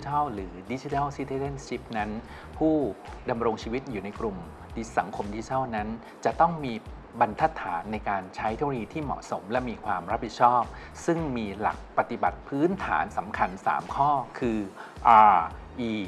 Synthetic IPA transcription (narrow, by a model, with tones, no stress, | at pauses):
t̪ʰa˥˩wɾɯː˩˦di˦˥t͡ɕi˧˦t̪ʰa˥˩wsi˦˥t̪ʰeː˧le˥˩nt͡ɕʰi˦˥p̚na˦˥n | pʰuː˥˩da˧mɾo˧ŋt͡ɕʰiː˧wi˦˥t̪̚juː˨˩na˧jkɾu˨˧m | i˦sa˩˦ŋkʰo˧mdi˦˥t͡ɕi˧t̪ʰa˥˩wna˦˥n | t͡ɕa˨˩ʔt̪ɔ˥˩ŋmiː˧ | ba˧nt̪ʰa˦˥t̪ʰːaː˩˦nːa˧jkaː˧nt͡ɕʰa˦˥jt̪ʰe˦˥o˧iː˧t̪ʰiː˥˩mɔ̰˨˩ʔso˩˦mlɛ˦˥ʔmiː˧kʰwaː˧mɾa˦˥p̚hi˨˩t̪̚t͡ɕʰɔː˥˩p̚ | sɯ˥˩ŋmiː˧la̰˨˩k̚pa˨˧t̪i˨˩ba˨˩t̪̚pʰɯː˦˥nt̪ʰa̰ː˩˦nsa˩˦mkʰa˧nsa̰ː˩˦mkʰɔː˥˩kʰɯː˧ʔaː˧ | ʔiː˧